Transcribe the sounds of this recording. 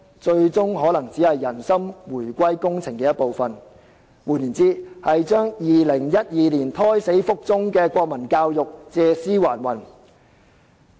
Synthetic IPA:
t͡ʃɵ˧ɥt͡sʊ˥ŋɦɔː˨˥lɐ˨˩ŋt͡siː˨˥hɐ˨jːɐ˨˩nsɐ˥mwuː˨˩jkʷɐ˥jkʊ˥ŋt͡sʰɪ˨˩ŋkɛː˧jɐ˥t̚po˨wfɐ˨n | wuː˨˩niː˨˩nt͡siː˥hɐ˨jt͡ʃœː˥ŋjiː˨lɪ˨˩ŋjɐ˥t̚jiː˨liː˨˩nt̪ʰɔː˥jse˨˥jfʊ˥k̚t͡sʊ˥ŋkɛː˧kʷɔː˧k̚mɐ˨˩nkaː˧wjʊ˨k̚t͡sɛː˧siː˥waː˨˩nwɐ˨˩n

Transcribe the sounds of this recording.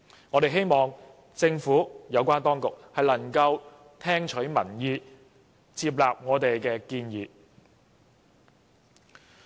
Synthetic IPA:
ŋɔː˨˧t̪e˨jɦe˥jmɔː˨ŋ | t͡sɪ˧ŋfuː˨˥jɐ˨˧wkʷaː˥nt̪ɔː˥ŋkʊ˨k̚hɐ˨jlɐ˨˩ŋkɐ˧w | t̪ʰɛː˥ŋt͡ʃʰɵ˨˥ɥmɐ̰˨˩njiː˨˧ | t͡siː˧p̬̚laː˨p̚ŋɔː˨˧t̪e˨jkɛː˧kiː˧njiː˨˧

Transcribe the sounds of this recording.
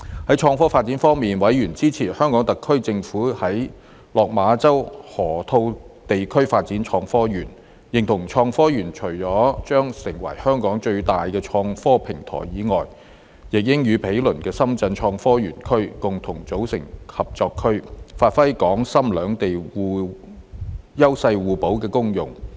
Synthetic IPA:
hɐ˨˥jt͡ʃʰɔː˧ŋfɔː˥faː˧t̚t͡si˨˥nfɔː˥ŋmiː˨nwɐ˨˥jjyː˨˩nt͡siː˥t͡sʰiː˨˩hœː˥ŋkɔː˨˥ŋt̪ɐ˨kʰːɵ˥ɥt͡sɪ˧ŋfuː˨˥hɐ˨˥j | lɔː˨k̚maː˨˧t͡sɐ˥whɔː˨˩t̪ʰo˧wt̪e˨jkʰɵ˥ɥfaː˧t̚t͡siː˨˥nt͡ʃʰɔː˧ŋfɔː˥jyː˨˩n | jɪ˨˩ŋt̪ʰʊ˨˩ŋt͡ʃʰɔː˧ŋfɔː˥jyː˨˩nt͡ʃʰɵ˨˩ɥt͡ʃɔː˨˥t͡ʃœː˥ŋsɪ˨˩ŋwɐ̰˨˩jhœː˥ŋkɔː˨˥ŋt͡ʃɵ˧ɥt̪aː˨jkɛː˧t͡ʃʰɔː˧ŋfɔː˥pʰɪ˨˩ŋt̪ʰɔ̰ː˨˩jjiː˨˥ŋɔː˨˩j | jɪ˨k̚jɪ˥ŋjyː˨˧pʰe˨˥jlɵ˨˩nkɛː˧sɐ˥mt͡sɐ˧nt͡ʃʰɔː˧ŋfɔː˥jyː˨˩nkʰɵ˥ɥkʊ˨ŋt̪ʰʊ˨˩ŋt͡so˨˥wsɪ̰˨˩ŋhɐ˨p̚t͡sɔː˧kʰːɵ˥ɥfaː˧t̚fɐ˥jkɔː˨˥ŋsɐ˥mlœː˨˧ŋt̪e˨jwuː˨˧ | jɐ˥wsɐ˧jwuː˨po˨˥wkɛː˧kʊ˥ŋjʊ̰˨˩ŋ

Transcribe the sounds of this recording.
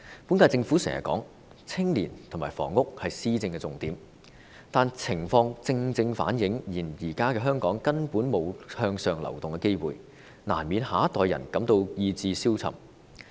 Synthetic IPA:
pu˨˥nkaː˧jt͡sɪ˧ŋfuː˨˥sɛ̰˨˩ŋjɐ̰˨kːɔ̰ː˨˥ŋ | t͡sʰɪ˥ŋliː˨˩nt̪ʰʊ˨˩ŋmaː˨˩jfɔ̰ː˨˩ŋːʊ˥k̚hɐ˨jsiː˥t͡sɪ˧ŋkɛː˧t͡sʊ˨ŋt̪iː˨˥m | t̪aː˨nt͡sʰɪ˨˩ŋfɔː˧ŋt͡sɪ˧ŋt͡sɪ˧ŋfa̰ː˨˥njɪ˨˥ŋjiː˨˩njiː˨˩kaː˥kɛː˧ɦœː˥ŋkɔː˨˥ŋkɐ˥npuː˨˥nmo˨˧whœː˧ŋsœː˨˧ŋlɐ̰˨˩wt̪ʊ˨ŋkɛː˧ke˥jwṵː˨˩j | na̰ː˨˩nmiː˨˧nhaː˨˥t̪ːɔː˨˧jɐ̰˨˩nkɐ˨˥mt̪o˧wjiː˧t͡siː˧siː˥wt͡sʰɐ̰˨˩m

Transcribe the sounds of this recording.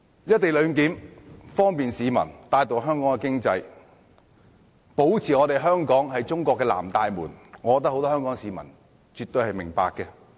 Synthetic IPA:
jɐ˥t̚t̪e˨jlɵ˨˧ŋk̬iː˨˥mfɔː˥ŋpiː˨nsiː˨˧mɐ̰˨˩nt̪aː˧jt̪o˨wɦœː˥ŋkɔː˨˥ŋɛ˨˧kɪ˥ŋt͡sɐ˧j | po˨˥wt͡sʰiː˨˩ŋɔː˨˧t̪e˨jɦœː˥ŋkɔː˨˥ŋhɐ˨jt͡sʊ˥ŋkʷɔː˧kːɛː˧la̰ː˨˩mt̪aː˧jmṵː˨˩nŋɔː˨˧kɔː˨˧t̪̬ːɐ˥ho˧wt̪ɔ˥œː˥ŋkɔː˨˥ŋsiː˨˧mɐ̰˨˩n | t͡ʃyː˨t̪̚ɵ˧ɥhɐ˨jmɪ˨˩ŋpa̰ː˨kːɛ˧

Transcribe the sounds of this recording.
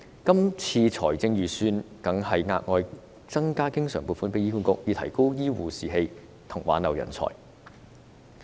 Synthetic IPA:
kɐ˥mt͡sʰiː˧t͡sʰɔ̰ː˨˩jt͡sɪ˧ŋjyː˨syː˧nkɐ˨˥ŋhɐ˨jŋa̰ː˧t̚ŋɔː˧j | t͡sɐ˥ŋkaː˥kɪ˥ŋsœː˨˩ŋpuː˨˩tfu˨˥npe˧˥jiː˥ku˥nkʊ̰˧˥k̚jiː˨˧t̪ʰɐ˨˩jko˥wjiː˥wuː˨siː˨ɦe˧j | t̪ʰʊ˨˩ŋwaː˨˥nɐ˨˩wjɐ̰˨˩nt͡sʰɔ̰ː˨˩j

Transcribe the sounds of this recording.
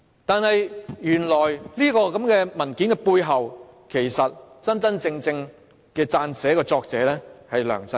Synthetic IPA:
t̪aː˨nhɐ˨jjyː˨˩nlɔː˨˩jliː˥kɔː˧kɐ˨˥mkɛː˧mɐ˨˩nki˨˥nkɛ˧puː˧jɦɐ˨w | kʰe˨˩jsɐ˨t̚t͡sɐ˥nt͡sɐ˥nt͡sɪ˧ŋt͡sɪ˧ŋ | kɛː˧t͡saː˧nsɛː˨˥kɔː˧t͡sɔː˧k̚t͡sɛː˨˥lɛː˥hɐ˨jlœ̰ː˨˩ŋt͡sɐ˥n

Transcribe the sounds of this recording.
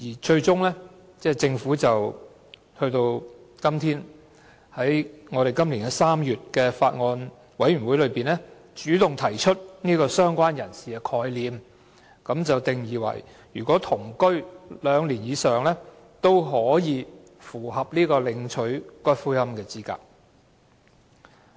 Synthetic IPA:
jiː˨˩t͡ʃɵ˧ɥt͡sʊ˥ŋlɛ˥ | t͡sɛː˥˩t͡sɪ˧ŋfuː˨˥t͡sɐ˨w | hɵ˧ɥt̪o˧w | kɐ˥mt̪ʰiː˥n | hɐ˨˥jŋɔː˨˧ɾe˨˩jkɐ˥mli˨˩nɡɛ˧saː˥mjyː˨t̚kɛː˧faː˧t̚ŋɔː˧n | wɐ˨˥jɥyː˨˩wu˨˥jlɵ˨˧ɥpiː˨nɛː˥ | t͡ʃyː˨˥t̪ʊ˨ŋt̪ʰɐ˨˩jt͡ʃʰɵ˥t̚niː˥kɔː˧sœː˥ŋkʷaː˥njɐ˨˩nsiː˨kɛ˧kʰɔː˨˧jliː˨˧m | kɐ˨˥mt͡sɐ˨wt̪ɪ˨ŋjiː˨˥wɐ̰˨˩j | jyː˨˩kʷɔː˨˥t̪ʰʊ˨˩ŋkɵ˥ɥlœː˨˧ŋliː˨˩njiː˨˧sœː˨ŋlɛː˥ | t̪o˥wɦɔː˨˥jiː˨˧ | fuː˨˩hɐ˨p̚niː˥kɔː˧lɪ˨˧ŋt͡ʃʰɵ˨˥ɥkɔː˥jfuː˥jɐ˥mkɛː˧t͡siː˥ka̰ː˨t̚

